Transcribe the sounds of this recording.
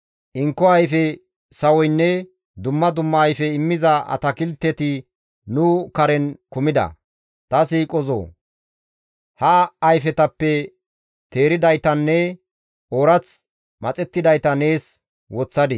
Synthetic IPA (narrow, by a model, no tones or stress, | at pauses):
ʔɪŋkːɔɐjfɛ | sɐwɔjnːɛ | d̪ʊmːɐd̪ʊmːɐːjfɛɪmːɪzɐɐ̰t̪ɐkɪlt̪ːɛt̪ɪ | nʊkɐɾɛnkʊmɪd̪ɐ̰ | t̪ɐsiːkʼɔzo̰ː | hɐɐjfɛt̪ɐpːɛ | t̪e̞ːɾɪd̪ɐjt̪ɐnːɛ | oːɾɐt͡s | mɐt͡sʼɛt̪ːɪd̪ɐjt̪ɐne̞ːs | wɔt͡sːɐd̪ɪ